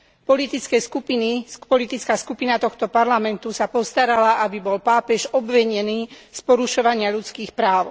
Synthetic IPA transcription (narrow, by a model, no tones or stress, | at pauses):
pɔlit̪it͡skɛskupinipɔlit̪it͡skaːskupinat̪ɔxt̪ɔpaɾlamɛnt̪usapɔst̪aɾalaʔabibɔlpaːpɛʒɔbʋɛɲɛniːspɔɾuʃɔʋaɲɪaʎut͡skiːxpɾaːʊ